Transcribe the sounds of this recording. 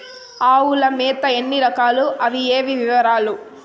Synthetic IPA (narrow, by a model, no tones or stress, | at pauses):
aːwulɐmɛːt̪ɐe̞nːiɾɐkaːluʔɐʋieːʋiʋiʋɐɾaːlu